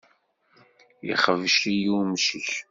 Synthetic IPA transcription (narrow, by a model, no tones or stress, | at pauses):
jḭχəvʃijumʃiç